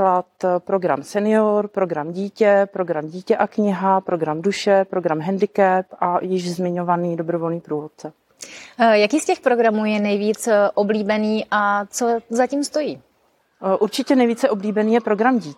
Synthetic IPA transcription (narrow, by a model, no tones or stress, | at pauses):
lat̪pɾo̞ɡɾa̰msɛnɪoɾpɾoɡɾamɟiːcɛpɾo̞ɡɾamɟiːcɛʔakɲɪɦapɾo̞ɡɾamduʃɛpɾo̞ɡɾamɦɛndɪkɛpʔajɪʒzmɪɲo̞vaniːdobɾovo̞lɲiːpɾuːvot̪̚t͡sɛ | jakiːscɛxpɾo̞ɡɾamuːjɛnɛjviːt͡sʔobliːbɛniːʔat͡sozaciːmst̪o̞jiː | ʔuɾt͡ʃɪcɛnɛjviːt͡sɛʔo̞bliːbɛniːjɛpɾo̞ɡɾamɟiː